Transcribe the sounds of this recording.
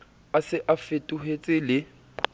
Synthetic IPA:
asɪʔafetʼuɦet͡sʼɪlɪ

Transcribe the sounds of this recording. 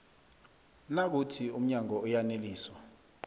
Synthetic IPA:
nak̬utʰium̩ɲaŋɔɔjaneliːswa

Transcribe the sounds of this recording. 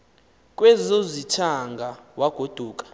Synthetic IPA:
kʼwɛzozit͡ʃʰaŋɡʱawaɡ̥ʱod̥ʱuːkʼḁ

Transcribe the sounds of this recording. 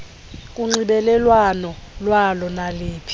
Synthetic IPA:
k̬ʼuŋ͡ǀiɓɛlɛlwanɔlwalɔnaliːpʰi̥

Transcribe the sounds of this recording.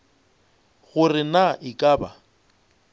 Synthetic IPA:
ɣʊrɪnaʔɪkʼaːba

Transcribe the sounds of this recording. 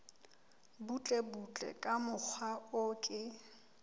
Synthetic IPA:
but͡ɬʼebut͡ɬʼɛ̰kʼamʊk͡xʰwaʊkʼɪ

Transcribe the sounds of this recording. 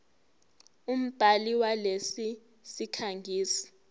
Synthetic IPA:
um̩b̥ʱaliwalesi | sikʰaŋɡʱiːsi̥

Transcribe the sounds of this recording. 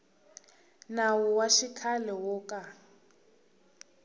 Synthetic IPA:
nawɔwaʃikʰalɛwɔːkʼa

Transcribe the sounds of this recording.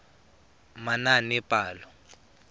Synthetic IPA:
mananɪpʼaːlɔ

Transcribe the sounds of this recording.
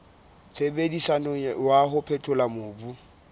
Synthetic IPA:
t͡sʰebedisanɔwaɦʊpʰɛtʰʼʊlamʊːbu

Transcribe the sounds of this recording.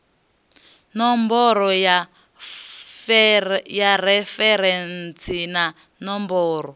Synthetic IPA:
nɔmbɔɾɔja | fjaɾɛfɛɾɛnt͡sʰina | nɔmbɔːɾɔ

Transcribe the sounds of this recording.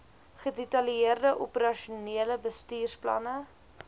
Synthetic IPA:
χədetɐljeərdəʔopəɾɐʃuniələbəstiːrsplɐ̰nə

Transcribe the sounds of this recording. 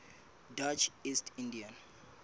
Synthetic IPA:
dat͡ʃʰistʰĩndiãn

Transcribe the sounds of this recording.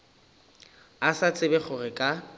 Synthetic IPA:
asat͡sʼɪbɛχʊrɪkʼa

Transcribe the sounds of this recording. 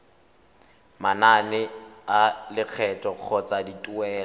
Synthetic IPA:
mananɛalɪk͡xʰɛtʼɔq͡χʰɔt͡sʼaditʼʊɛːla

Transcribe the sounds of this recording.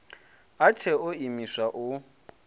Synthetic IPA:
at͡ʃʰɛʊimiswaʔʊ

